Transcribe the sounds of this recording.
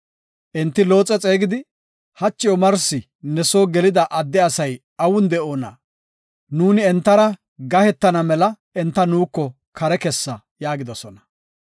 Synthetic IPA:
ʔɛnt̪ːɪlo̞ːt͡sʼɛt͡sʼe̞ːɡɪd̪ɪ | hɐt͡ʃːɪjɔmɐɾsɪ | nɛso̞ːɡɛlɪd̪ɐʔɐd̪ːɛɐsɐj | ɐwʊnd̪ɛʔoːnɐ̰ | nuːnɪɛnt̪ːɐɾɐ | ɡɐhɛt̪ːɐnɐmɛlɐ | ɛnt̪ːɐnuːkːɔ | kʰɐɾɛkɛsːɐ | jaːɡɪd̪ɔsɔnɐ̥

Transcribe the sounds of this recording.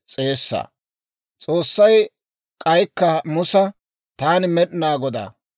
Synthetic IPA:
t͡sʼe̞ːsːɐ̰ | t͡sʼo̞ːsːɐj | kʼɐjkːɐmʊsɐ | t̪aːnɪmɛɗɪnaːɡɔd̪a̰ː

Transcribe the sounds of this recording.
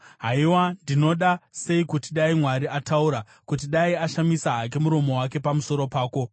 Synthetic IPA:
ɦaiwandino̞ɗase̞ikutiɗaimwaɾiatauɾa | kut̬iɗaiaʃamisaɦak̬e̞muɾo̞mo̞wake̞pamuso̞ɾo̞paːko̞

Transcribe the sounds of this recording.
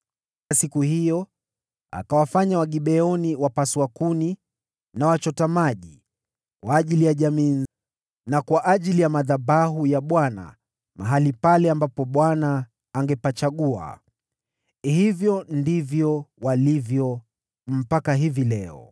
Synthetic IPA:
asikuhijɔ | a̰kawafaɲawaɠiɓɛɔniwapaswakuni | nawat͡ʃɔtamaʄi | kwaːʄilijaʄamiː | nakwaʔaʄilijamaðabaɦujaɓwana̰ | ma̰ɦalipalɛambapɔɓwanaː | ŋɡɛpat͡ʃaɠua̰ | hivjɔndivjɔwalivjɔ | m̩pakaɦivilɛɔ̰

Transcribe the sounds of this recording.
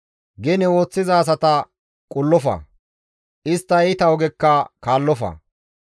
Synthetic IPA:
ɡɛnɛwo̞ːt͡sːɪzaːs̬ɐt̪ɐ | kʼʊlːɔfɐ̰ | ʔɪst̪ːɐt̪ɐwɔɡɛkːɐkaːlːɔfɐ̰

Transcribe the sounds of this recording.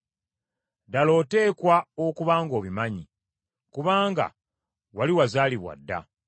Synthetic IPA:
dalo̞ːte̞ːkwaokuβaːŋɡo̞ːβimaɲi | kuβaːŋɡa̰ | waliwazaːliβwa̰dːa̰

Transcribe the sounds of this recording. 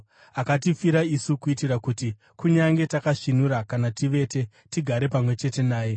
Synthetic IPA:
akatifiɾaisukuitiɾakuti | kuɲaŋɡe̞takaʂinuɾakanatiʋe̞ːte̞ | tiɡʱaɾe̞pamwe̞t͡ʃe̞te̞naːje̞

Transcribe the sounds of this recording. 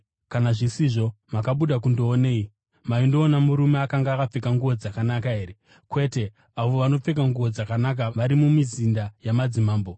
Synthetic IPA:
kanaʐisiʐo̞makaɓuɗakundoːneːi | maindo̞ːnamuɾume̞akaŋɡaːkap͡fe̞kaŋɡuʋod͡zakanakaɦe̞ːɾe̞ | kwe̞ːte̞ | aʋo̞ʋano̞p͡fe̞k̬aŋɡuʋod͡zakanak̬aʋaɾimumizindajamad͡zimaːmbo̞

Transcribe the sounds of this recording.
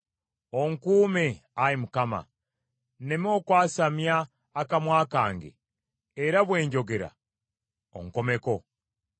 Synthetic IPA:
oŋkuːmeajimukama̰ | ne̞mo̞ːkwaːsamjaː | kamwaːkaːŋɡḛː | ɾaβwe̞ːɲɟo̞ɡe̞ɾa̰ | o̰ŋko̞me̞ko̞

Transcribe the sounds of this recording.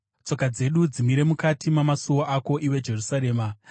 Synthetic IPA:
t͡so̞kad͡ze̞ɗud͡zimiɾe̞mukatimamasuwoʔako̞ʔiwe̞d͡ʒe̞rusaɾe̞ːma

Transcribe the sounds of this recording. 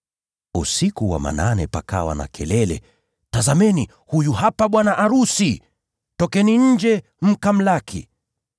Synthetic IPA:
usikuwa̰ma̰nanɛpakawa̰na̰kʰɛlɛlɛ | tazamɛni | hujuhapaɓwanaʔaɾusi | tɔkɛniɲ̩d͡ʒɛ | m̩kam̩lakʰḭ

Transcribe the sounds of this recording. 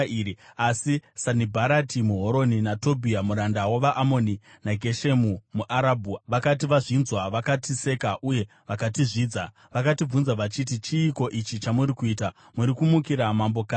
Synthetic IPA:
iɾiasisanibʱaɾatimuɦo̞ɾo̞ninato̞bʱiamuɾandawaʋaʔamo̞ni | naɡʱe̞ʃe̞mumuʔaɾabʱuaʋakat̬iʋaʐinzwaʋakatise̞kaʔuje̞ | ʋakatiʐiːd͡za | ʋakatib͡vunzaʋat͡ʃit̬it͡ʃiːko̞ʔit͡ʃit͡ʃamuɾikuiːta | muɾikumukiɾamambo̞ka

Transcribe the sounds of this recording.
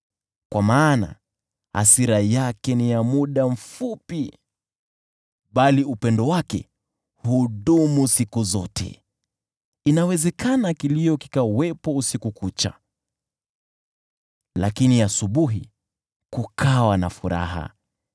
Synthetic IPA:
kwʔamaːna̰ | ha̰siɾajakɛnijamuɗam̩fupi | ɓaliupɛndɔwakɛ̰ | huɗumusikuzɔtʰɛ̰ | inawɛzɛkanakilijɔki̥kawɛpɔusikukut͡ʃa̰ | la̰kiniasuɓuɦḭ | kukʰawana̰fuɾa̰ɦa̰

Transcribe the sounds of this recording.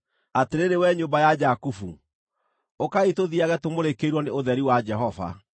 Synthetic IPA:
ateɾeɾewɛɲombajad͡ʑakufṵ | okaitoðiaɣɛtomoɾekeɾwɔneoðɛɾiwad͡ʒɛɦɔva̰

